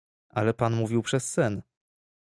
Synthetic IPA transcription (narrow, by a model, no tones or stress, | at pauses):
ʔalɛpanmuvʲiwpʂɛsːɛn